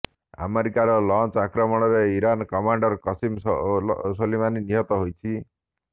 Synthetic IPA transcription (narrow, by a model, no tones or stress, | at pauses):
a̰meɾikaɾɔlɔnt͡ʃakɾɔmɔɽ̃ɔɾeiɾankɔmaɳɖɔɾkɔsim | solimaniniɦɔt̪ɔɦojt͡ʃʰi